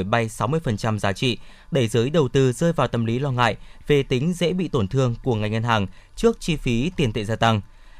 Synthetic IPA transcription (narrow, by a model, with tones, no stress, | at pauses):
jɓa˧jsa˨˦wmɨ˧əjfə˨˩nt͡ɕa˧mzaː˨˦t͡ɕḭ˧˨ | ɗe˧˩zɨː˨˦jɗə˨˩wt̪ɨ˧zəː˧jvaː˨˩wt̪ə˧mli˨˦lɔ˧ŋa̰ː˧˨jve˨˩t̪ï˨˦ŋ̟zḛ˧˥ɓḭ˧˨t̪o˧˩nt̪ʰɨ˧əŋku˧˩əŋa˨˩ŋ̟ŋə˧nɦaː˨˩ŋt͡ɕɨ˦˥ək̚t͡ɕi˧fi˨˦t̪i˨˩ənt̪ʰḛ˧˨zaː˧t̪a˧ŋ